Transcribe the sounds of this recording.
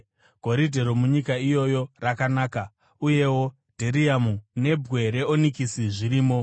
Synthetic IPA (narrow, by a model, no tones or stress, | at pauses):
ɡ̥ʱo̞ɾidʱe̞ɾomuɲikaijo̞jo̞rakanaːka | uje̞wo̞ | dʱeɾiamune̞bʱɣe̞ɾe̞onikisiʐiɾiːmo̞